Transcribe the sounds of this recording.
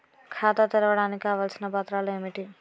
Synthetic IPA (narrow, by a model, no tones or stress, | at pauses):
kʰaːt̪ɐt̪iɾɐʋɐɽaːnikʲikaːʋaːlsinɐpaːt̪ɾaːluemiʈi